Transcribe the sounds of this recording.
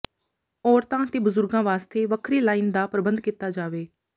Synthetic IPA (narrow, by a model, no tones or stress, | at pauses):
ɔːɾt̪ãːt̪eːbʊzʊɾɡãːʋaːst̪eːʋəkʰɾiːlaːind̪aːpɾəbənd̪kit̪ːaːd͡ʒaːʋeː